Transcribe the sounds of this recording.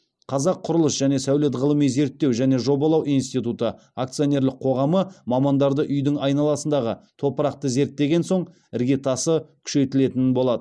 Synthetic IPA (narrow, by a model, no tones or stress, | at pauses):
qʰɑzɑqʰʊɾəlˠəsʒ̥æne̞sæwle̞t̪̬ʁəlˠəmijze̞ɾt̪ːe̞wʒæne̞ʒo̞bɑlˠɑwijnst̪ijt̪ut̪ə | ak̚t̪sɨjo̞ne̞ɾlɪqqʰo̞ʁɑməmɑmɑnd̪ɑɾd̪əʔʏjd̪ɪŋɑjnɑlˠɑsənd̪ɑʁət̪ʰo̞pəɾɑq̚t̪əze̞ɾt̪ːe̞ɡʲe̞nso̞ɴ | ɪɾɡʲe̞t̪ʰɑsəkʲʰʏ̥ʃe̞t̪ɪle̞t̪ɪnɪnbo̞lˠɑd̪ə